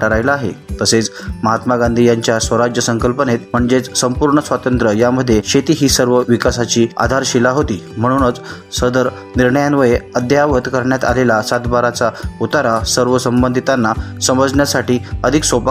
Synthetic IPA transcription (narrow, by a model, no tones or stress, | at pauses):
ʈaɾajlaaɦḛt̪əset͡sməɦat̪maɡand̪ʱijaɲt͡ɕjasʋəɾad͡ʑjəsəŋkəlpənet̪m̤əɳd͡zet͡ssəmpuɾɳəsʋat̪ənt̪ɾəjaməd̪ʱːjeɕet̪iːɦiːsəɾʋəʋikasat͡ɕiːa̰d̪ʱaɾɕilaɦot̪iːm̤əɽ̃unət͡s | səd̪əɾ | niɾɳəjanʋəjeəd̪jaʋət̪kəɾɳjat̪a̰lelasat̪baɾat͡saut̪aɾasəɾʋəsəmbənd̪ʱit̪anːasəməd͡zɳjasaʈiːəd̪ʱiksopa